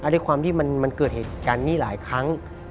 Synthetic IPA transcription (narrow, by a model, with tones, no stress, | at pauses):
ʔa˧˩duː˥˩˨jkʰwaː˧mt̪ʰiː˥˩ma˧nma˧nkɤː˨˩t̪̚heː˨˩t̪̚kaː˧nmiː˥˩˨laː˨˩˦jkʰa˦˥ŋ